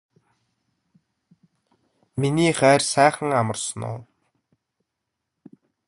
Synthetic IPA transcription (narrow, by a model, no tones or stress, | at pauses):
miniːχæːrsæːχə̆ŋamə̆rsə̆nʊ̰ː